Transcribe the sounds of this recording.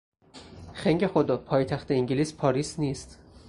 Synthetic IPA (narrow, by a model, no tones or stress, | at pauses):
xeŋɟexod̪ɒpʰɒːjt̪ʰæxt̪ʰeiŋɟiliːspʰɒːɾiːsniːst̪